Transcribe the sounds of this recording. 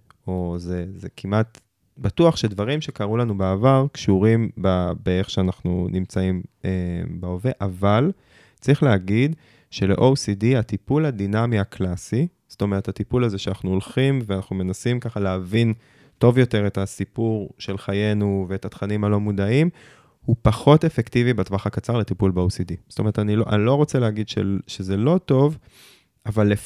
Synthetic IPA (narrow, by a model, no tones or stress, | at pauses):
o̞zezekʰimʔat | batuaχʃedvaʁimʃe̞kaʁulanubeːvaʁkʃuʁimbabeeχʃeanaχnunimt͡saimebeoveʔaval | t͡sʁiχleaɡid | ʃe̞lḛʔowsidiatipuladinamiaklasi | z̥oto̞me̞ʁethatipulazeʃeanaχnuolχimveanaχnume̞nasimkaχaleavin | to̞vjo̞te̞ʁetasipuʁʃe̞lχaje̞nuveethat̪χanimhalomudaim | hupaχo̞tefektivibatvaχakat͡saʁletipulbeowsidiz̥tome̞etaniloʔa̰nilo̞ʁot͡seleaɡidʃḛʃezelo̞to̞v | avalːe